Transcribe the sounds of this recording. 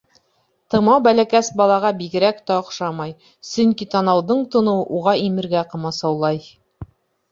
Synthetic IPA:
t̪ɤ̆mɑwbælækæsbɒlˠɑʁɑbiɡɘ̆ɾækt̪æŏqʃɑmɑj | sɵŋkit̪ɑnɑwðɤɴt̪ŏnɤɤʔuʁɑimɘ̆ɾɡæqɤ̆mɑsɑwlˠɑj

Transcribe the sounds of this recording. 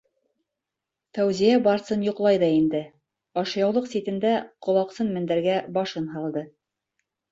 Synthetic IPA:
t̪æwzijæbɑɾsɤnjŏqlˠɑjðɑind̪ɘ | ɑʃjɑwlˠɤqsit̪ɘ̆nd̪æqŏlˠɑqsɤnmɘ̆nd̪æɾɡæbɑʃɤnɦɑlˠd̪ɤ

